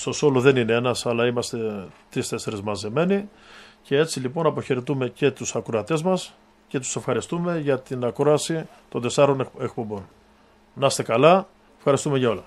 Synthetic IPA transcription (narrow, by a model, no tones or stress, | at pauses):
st̪o̞so̞loðe̞nineenɐsɐlɐimɐst̪e̞t̪ɾist̪e̞se̞ɾezmɐzeme̞nice̞e̞t͡silipo̞nɐpo̞çeɾet̪ume̞ce̞t̪usɐkɾoɐt̪e̞zmɐs | ce̞t̪u̥se̞fxɐɾist̪ume̞ʝɐt̪inɐkɾo̞ɐsi | t̪o̞nd̪e̞sɐɾo̞nek̚po̞bo̞n | nɐst̪e̞kɐlɐ | efxɐɾist̪ume̞ʝɐo̞lɐ